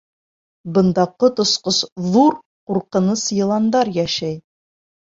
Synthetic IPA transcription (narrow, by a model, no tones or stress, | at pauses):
bɤ̆nd̪ɑqɤt̪ŏsqɤsðuɾ | quɾqɤ̆nɤsjɤ̆lˠɑnd̪ɑɾjæʃæj